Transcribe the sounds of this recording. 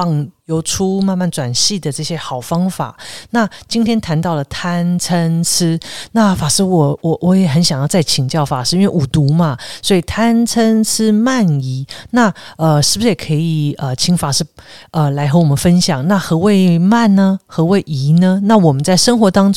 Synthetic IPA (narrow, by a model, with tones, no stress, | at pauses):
ɑ˥˧ŋjo˧˥ʊʈ͡ʂʰu˥ma˥˧nma˥˩nt͡swa˨˩nɕi˥˩d̪ə˩ʈ͡ʂɤ˥˩ɕjɛ˥xɑ˨˩ʊfɑ˥ŋfa̰˨˩˦na˥˩t͡ɕi˥nt̪ʰjɛ˥nt̪ʰa˧˥nt̪ɑ˥˩ʊlə˩t̪ʰa˥nt͡sʰə˥nt͡s̩ʰ˥na˥˩fa˨˩ʂɻ̩˥wɔ˨˩wɔ˨˩wʔɔ˧˦jɛ˨˩xə˧˥nɕjŋjɑ˥˧ʊt͡sa˥˩ɪt͡ɕʰi˨˩ŋt͡ɕjɑ˥˩ʊfa˨˩ʂɻ̩˥˧i˥nwe˥˩ɪu˨˩t̪u˧˥mɐ˧swɔ˧˥i˨˩t̪ʰa˥nt͡sʰə˥nt͡sʰɻ̩˥ma˥˩ni˧˥na˥˩ə˧ʂɻ̩˥˩bu˩ʂ̩˧˥jɛ˨˩kʰɤ˧˥i˨˩ə˧t͡ɕʰi˧˥ŋfa˨˩ʂɻ̩˥˩ə˧la˧˥ɪxɤ˧˥wɔ˨˩mə˧˦nfə˥nɕjɑ˨˩ŋna˥˩xɤ˧˥we˥˧ɪma˥˩nnə˩xɤ˧˥we˥˩ɪʔi˧˥nə˧na˥˩wɔ˨˩mə˦nt͡sa˥˩ɪʂə˥ŋxwɔ˧˥t̪ɑ˥ŋʈ͡ʂ